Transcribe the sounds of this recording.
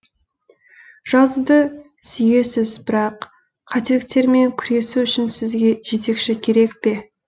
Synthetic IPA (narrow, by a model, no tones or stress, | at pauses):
ʒ̥ɑzəd̪ə | sʏje̞sɪzbɪɾɑqːʰ | ɑt̪e̞lɪk̚t̪e̞ɾme̞ŋkʲʰʏɾe̞suʏʃɪnsɪzɡʲe̞ʒe̞t̪e̞kʃɪkʲʰe̞ɾe̞kpe̞